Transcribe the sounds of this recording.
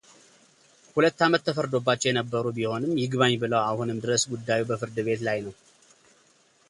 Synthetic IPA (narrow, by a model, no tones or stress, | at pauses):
hulət̪ːamət̪ːʰəfəɾd̪o̞bːat͡ʃːɛwjɛnəbːəɾubiho̞nɨmːjɪɡβaɲbɨləwahunɨmd̪ɨɾəsɡud̪ːajubəfɨɾd̪ɨβe̞t̪lajnəw